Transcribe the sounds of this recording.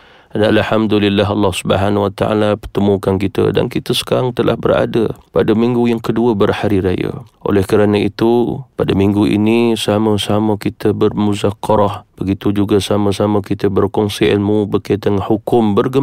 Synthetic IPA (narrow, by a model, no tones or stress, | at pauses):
dalħamd̪ulilːaɦɑlːɑhsubə̰ɦanwat̪a̰ʔa̰lapərt̪əmukankit̪ə̰da̰nkit̪əsə̥kaɾaŋt̪əla̰hbə̰ra̰dəpadəmiŋɡujaŋkəduəbərhaɾiɾajə̰ʔo̰lɛhkəɾanait̪upadəmiŋɡuʔḭnisaməsaməkit̪ʰəbərmuzakːɔɾɔhb̥əɡit̪ud͡ʒuɡasaməsaməkit̪əbərkɔŋsiɪlmubəkat̪əŋhukʊmbərɡə